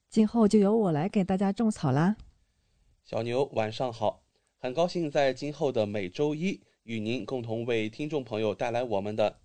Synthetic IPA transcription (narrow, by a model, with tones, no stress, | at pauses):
t͡ɕi˥nxo˥˧ʊt͡ɕjo˥˩ʊjo˧˥ʊwɔ˨˩la˧˥ɪke˨˩ɪt̪a˥˩t͡ɕja˥ʈ͡ʂʊ˥˩ŋt͡sʰɑ˨˩ʊlɐ˦ | ɕjɑ̰˨˩ʊnjo˧˥ʊwa˨˩nʂɑ˥˩ŋxɑ˨˩˦ʊ | xə˨˩nkɑ˥ʊɕi˥˧ŋt͡sa˥˧ɪt͡ɕi˥nxo˥˩ʊd̪ə˩me˨˩ɪʈ͡ʂo˥ʊi˥ | y˨˩ni˧˥nkʊ˥˩ŋt̪ʰʊ˧˥ŋwe˥˩ɪt̪ʰi˥ŋʈ͡ʂʊ˥˩ŋpʰɤ˧˥ŋjo˨˧ʊt̪a˥˩ɪla˧˥ɪwɔ˨˩mə˧˦nd̪ə˧